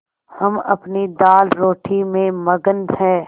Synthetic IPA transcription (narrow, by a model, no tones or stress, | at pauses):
hɐmɐ̰pnid̪aːlɾoːʈʰimẽmɐɡənd̪ɦɛ̃ː